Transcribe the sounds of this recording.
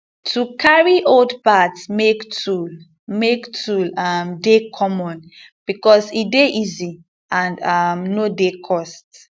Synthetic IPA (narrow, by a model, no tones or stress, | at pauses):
tʰukʰaɹiʔoldpatsmektʰul | mektʰulamdekʰɔmɔ̃n | b̥ikɔsideʔizi | ãndamnodekʰɔst